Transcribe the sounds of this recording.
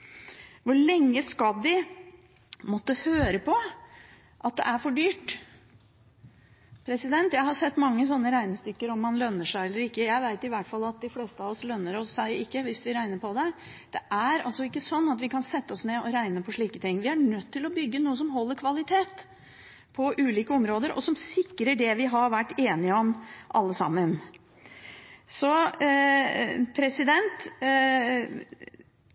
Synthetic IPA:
ʋʊɭɛŋːəskɑd̪dɪ | mɔt̪ːəhøːɾəpʰɔ | ʔɑt̪̚d̪ɛ̰ʔæɾfɔɖyːʈ | pʰɾɛsɪd̪ɛnt̪jæɪhɑɾsɛt̪ːmɑŋːəsɔnːəɾæɪnɪst̪ʏkːəɾɔmːɑnlœnːəʂæɪɛlːəɾɪkːəjæɪʋæɪt̪ɪʋæʈfɑlːɑt̪̚d̪ɪfleːst̪əɑʋɔslœnːəɾɔsːæɪɪkːəʋɪsʋɪɾæɪnəpʰɔd̪ɛ | d̪̥ɛʔæɾɑ̰lsɔɪkːəsɔnːɑt̪ʋɪkʰɑnsɛt̪ːəɔsneːɔɾæɪnəpʰɔʂɭiːkət̪ʰɪŋːʋɪæɳœt̪ʰːɪlɔbʏɡːənuːəs̬ɔmɦɔlːəɾkʰʋɑlɪt̪ʰeːt̪ | pʰɔʔʉːliːkəɔmɾoːd̪əɾɔ̰sɔmsɪkːɾəɖɛʋɪɦɑɾʋæʈːeːnɪəɔmʔɑ̰lːəsɑ̰mːən | sɔ | pʰɾɛsɪd̪ɛnt̪

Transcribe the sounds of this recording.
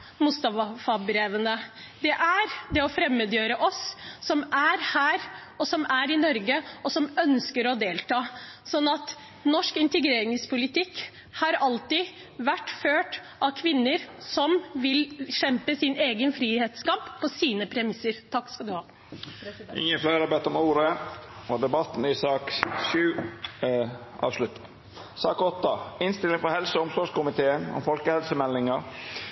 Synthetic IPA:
mʊst̪ɑfɑfɑbɾeːʋənə | d̪ɛʔæɾd̪ɛɔfɾɛmːəd̪jøːɾəʔɔsːɔmæɾhæːɾɔsɔmæɾɪnɔɾɡəɔsɔmœnskəɾɔd̪eːlt̪ʰɑːsɔnːɑt̪ | nɔʂkɪnt̪əɡɾeːɾɪŋspʰʊlɪt̪ʰɪkː | hɑɾɑlt̪ɪ | ʋæʈːføːʈ | ʔɑkʰʋɪnːəɾsɔmʋɪlʃɛmpəsɪneːɡənfɾiːheːt̪skɑpːɔsiːnəpʰɾɛmɪsəɾt̪ʰɑkːskɑd̪ʉhɑː | ʔɪ̰ŋːənfleɾɾəbɛt̪ːɔmuːɾəɔd̪ɛbɑt̪ːn̩ɪsɑːkʃʉː | ʔɑ̰ːʋslʉt̪ | sɑːkɔt̪ːɑɪnst̪ɪlːɪŋfɔhɛlsəʊmsɔːʂkʊmɪt̪ʰeːənɔ̰mfɔlkəhɛlsəmɛlːɪŋəɾ

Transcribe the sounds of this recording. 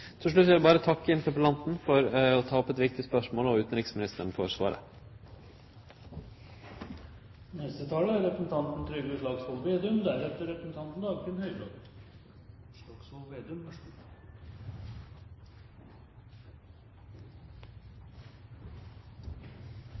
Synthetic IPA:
t̪ʰɪlʂ̬ɭʉt̪ːʋɛlbɑːɾət̪ʰɑkːəɪnt̪ʰəpəlɑnt̪n̩fɔɾɔt̪ʰɑːɔpːɛt̪ʋɪk̚t̪ɪspœʂmoːlɔʉːt̪n̩ɾɪksmɪnɪst̪əɳ̩fɔʂʋɑ̰ːɾə̰ | nɛst̪ət̪ʰɑːləæɾɾɛpɾəsn̩t̪ʰɑnt̪n̩t̪ʰɾʏɡəʂlɑːɡsɔlˠʋeːd̪ʉmd̪æɾɛt̪ːəɾɛpɾəsn̩t̪ʰɑnt̪n̩d̪ɑːɡkʰɪnhœʏb̪ɑ | ɔksɔlʋeːd̪ʉm

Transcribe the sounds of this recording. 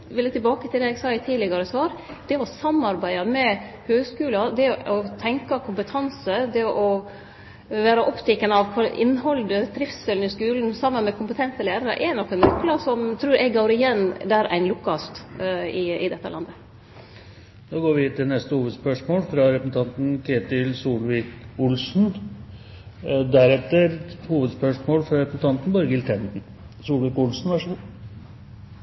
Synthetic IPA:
ʋɪlət̪ʰɪlbɑːkət̪ʰɪld̪ɛɛːɡsɑːɪt̪ʰiːlɪɡɑɾəsʋɑːɾd̪̥ɛɔsɑmɑɾbæɪɑmɛhøːɡskʉːlɑd̪ɛɔt̪ʰɛŋkɑkʰʊmpət̪ʰɑnsəd̪ɛʔɔ | ʋæːɾɑʔɔpt̪ʰɛkːənəɑʋkʰɔʔɪ̰nːhɔld̪əd̪ɾɪfsɛlnɪskʉːln̩sɑmːənmɛkʰʊmpət̪ʰɛnt̪əlæːɾɑɾə̰ʔɛnɔkːɛnɔkːlɑsɔmt̪ʰɾʉːɾʔɛɡɡoːɾɪjɛnd̪æɾæ̰ɪnlʊkːɑst̪ɪɪ̰d̪ɛt̪ːə̰lʔɑ̰nd̪ə | noːɡoːɾʋɪt̪ʰɪlnɛst̪əhuːʋəd̪spœʂmoːlfɾɑɾɛpəsn̩t̪ʰɑnt̪n̩kʰeːt̪ɪlsuːlʋɪkʊlsn̩ | d̪æɾɛt̪ːəɾhuːʋəd̪spœʂmoːlfɾɑɾɛpəsn̩t̪ʰɑnt̪nbɑːɾəɡɪlt̪ʰɛnt̪n̩ | suːlʋɪkʊlsn̩ʋæʂ

